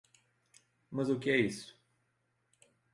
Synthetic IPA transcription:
mɐzʊkɪɛisʊ̥

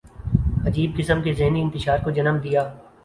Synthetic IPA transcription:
ɐd͡ʒiːb̚kɪsəmkezɪɦniɪ̃nt̪ɪʃaːɾkod͡ʒɐnəmd̪ijaː

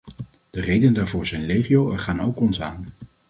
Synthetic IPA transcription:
d̥ərejdənədaːɹvʊːɹzɛjnrejχiowɛɹχaːnowkɔnsaːn

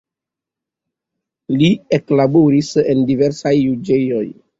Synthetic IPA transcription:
lieklaboɾisendive̞ɾsajːud͡ʒejo̞j

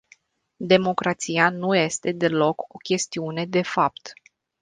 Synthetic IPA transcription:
d̪e̞mo̞kɾat̪sianuje̞st̪e̞d̪e̞lo̞ko̞kʲe̞st̪iune̞d̪e̞fap̚t̪

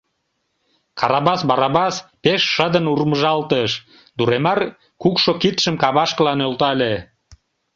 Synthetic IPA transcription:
kɑɾɑβɑsbɑɾɑβɑspeʃːəd̪ənurməʒɑlt̪əʃ | d̪uɾemɑr | kukʃokit̪ʃəmkɑβɑʃkəlɑnølt̪ɑlʲe

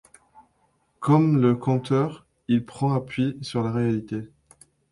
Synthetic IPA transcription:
kɔmləkɑ̃t̪œʁ | ilpχɑ̃apɥisyʁlaʁealit̪e

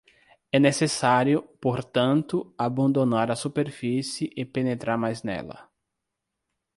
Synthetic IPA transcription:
ɛnesesaɾjʊpoɾt̪ɐ̃nt̪ʊabɐ̃nd̪onaɾɐsupeɾfisɪʔɪpenet̪ɾaɾmajznɛ̰lɐ̰

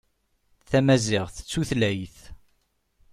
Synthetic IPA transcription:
θæmæzɪʁθə̥t͡sːuθlæjθ

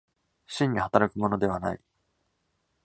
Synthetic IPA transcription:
ɕĩɲ̟ːihat̪aɾakɯ̟mo̞no̞d̪e̞β̞ana̰ḭ

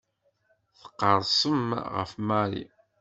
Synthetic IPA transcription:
θə̥qːəɾˤsˤəmʁə̰fmæɾḭ

